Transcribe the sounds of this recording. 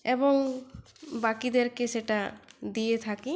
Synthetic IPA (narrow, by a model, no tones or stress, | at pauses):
eboŋ | bakid̪eɾkeseʈad̪ijet̪ʰaki